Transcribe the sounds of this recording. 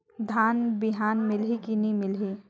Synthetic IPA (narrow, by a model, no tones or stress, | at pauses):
d̪ʱaːnbɪɦaːnmɪlɦikinimɪlɦi